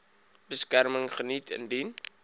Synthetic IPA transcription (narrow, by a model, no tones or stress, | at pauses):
bəskærməŋχənitʰə̰ndin